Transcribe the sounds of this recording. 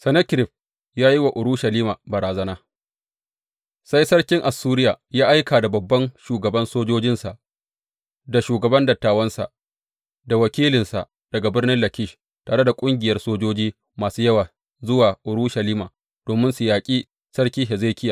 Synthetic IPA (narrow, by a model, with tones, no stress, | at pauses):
sɐ˨nɐ˦kɾɪ˨ɸ̚ | jaː˦ji˦wa˨ʔʊ˨ɾʊ˦ʃɐ˨liː˦ma˨bɐ˨ɾaː˨zɐ˦naː˦ | sa˦jsɐ˦rkʲɪ˦ŋʔa˨sːuː˦ɾɪ˦jaː˨jaː˦ʔa˦jkaː˨da˨bɐ˨bːɐ˦nʃuː˨ɡɐ˨bɐ˦nsoː˦d͡ʒoː˦d͡ʒɪ˦nsa˨ʔ | da˨ʃuː˨ɡɐ˨bɐ˦ndɐ˨tːaː˨wɐ˦nsa̰˨ʔ | da˨wɐ˨kʲiː˦lɪ˨nsa̰˨ʔ | d̥ɐ˨ɡa˨bɪ˦ɽnɪ˦nlɐ˨kʲɪ˦ʃ | taː˨ɽe˦da˨kʷʼʊ˦ŋɡʲɪ˨jɐ˦rsoː˦d͡ʒoː˦d͡ʒiː˦ | maː˨suː˦jɐ˦waː˨ | zʊ˦waː˨ʔʊ˨ɾʊ˦ʃɐ˨liː˦maː˨ | d̥oː˨mɪ˦nsʊ˨jaː˨kʲʼiː˦ | sɐ˦rkʲiː˦ɦe˨zeː˦kʲɪ˦jaː˨